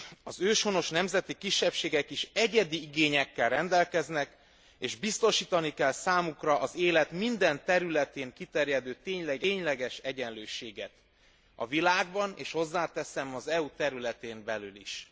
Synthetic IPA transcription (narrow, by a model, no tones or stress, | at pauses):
ɒzøːʃho̞no̞ʃnɛmzɛt̪ikiʃːɛpʃeːɡɛkiʃɛɟɛd̪iiɡeːɲɛkːɛlrɛnd̪ɛlkɛznɛk | eːʒbist̪o̞ʃiːt̪ɒnikɛlsaːmukrɒʔɒzeːlɛt̪mind̪ɛnt̪ɛɾylɛt̪eːŋkit̪ɛɾjɛd̪øːt̪eːɲlɛɡɛːɲlɛɡɛʃɛɟɛnløːʃeːɡɛt̪ | ɒ̰vilaːɡ̚bɒnḛːʃho̞zːaːt̪ɛsɛmɒzɛut̪ɛɾylɛt̪eːmbɛlylḭʃ